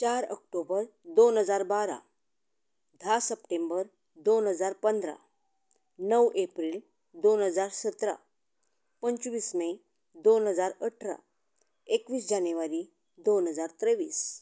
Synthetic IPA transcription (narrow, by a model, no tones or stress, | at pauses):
t͡ɕaɾə̰k̚ʈobəɾd̪onɦəd͡zaɾbaɾa̰ | d̪ʱasəp̚ʈembəɾ | d̪onɦəd͡zaɾpənd̪ɾa̰ | nəwʔepɾiːl | d̪onɦəd͡zaɾsət̪ɾa̰ | pəɲt͡ɕʋiːsme | d̪onɦəd͡zaɾəʈʰɾa̰ | ekʋiːsd͡ʑanʋaɾi | d̪onɦəd͡zaɾt̪ɾəʋiːs